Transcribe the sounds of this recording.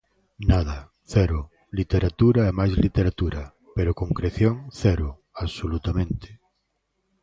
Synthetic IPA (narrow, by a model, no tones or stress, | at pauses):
nað̞a | θɛɾʊ | lit̪eɾat̪uɾaɛmajzlit̪eɾat̪uɾa | peɾokõŋkɾeθjoŋθɛɾʊ | aβsolut̪amẽnt̪e̥